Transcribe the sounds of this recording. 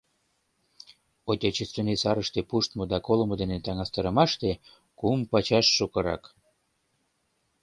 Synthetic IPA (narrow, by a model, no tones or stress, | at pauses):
ot̪ʲɑt͡ɕest̪enesɑɾəʃt̪epuʃt̪mod̪ɑkolmŏd̪enet̪ɑŋɑst̪əɾə̆mɑʃt̪e | kumpɑt͡ɕɑʃːukəɾɑ̰k